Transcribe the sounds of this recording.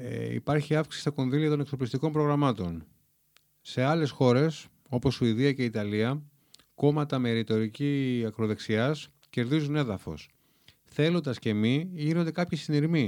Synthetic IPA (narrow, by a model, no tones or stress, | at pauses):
ḭpɐɾçiɐfksist̪ɐko̞nðiliɐt̪o̞nekso̞plist̪iko̞mpɾo̞ɣɾɐmɐt̪on | se̞ɐle̞sxo̞ɾe̞s | o̞po̞sːuiðiɐce̞it̪ɐliɐ | ko̞mɐt̪ɐme̞ɾit̪o̞ɾiciɐkɾo̞ðe̞ksiɐs | ce̞ɾðizune̞ðɐfo̞̰s | θe̞lond̪ɐsce̞miʝinond̪e̞kɐpçisiniɾmi